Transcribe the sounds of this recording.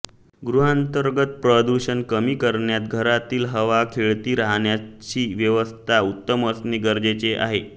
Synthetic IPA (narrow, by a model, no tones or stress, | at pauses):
ɡɾuɦant̪əɾɡət̪̚pɾəd̪uɕənkəmiːkəɾɳjat̪ɡʱəɾat̪iːlɦəʋakʰeɭt̪iːɾaɦɳjat͡ɕiːʋjəʋəst̪ʰaut̪ːəməsniːɡəɾd͡ʑet͡seʔa̰ɦe